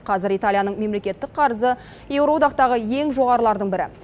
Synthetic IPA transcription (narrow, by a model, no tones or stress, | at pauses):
qʰɑzɪɾijt̪alʲˠijanəɴme̞mle̞kʲe̞t̪ːɪk̚qʰɑɾəzə | je̞wɾod̪ɑqt̪ɑʁəje̞ŋʒo̞ʁɑɾəlˠɑɾd̪əɴbɪɾɪ̰